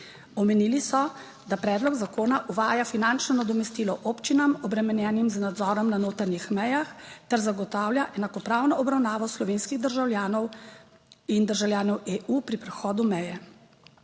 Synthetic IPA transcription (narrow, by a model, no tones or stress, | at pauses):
ɔmɛniːlisɔ | d̪apɾɛːd̪lɔɡzakoːnaʔuʋaːjafinant͡ʃnɔnad̪ɔmɛst̪iːlɔʔoːpt͡ʃinamɔbɾɛmɛnjɛːnimznad̪zɔːɾɔmnanoːt̪aɾnixmɛjaxt̪ɛɾzaɡɔt̪aːwlʲjaʔɛnakɔpɾaːwnɔɔbɾawnaːʋɔslɔʋeːnskiɣd̪əɾʒawlʲjaːnɔw | ind̪əɾʒawlʲjaːnɔweːʔuːpɾipɾɛxɔːd̪umɛjɛ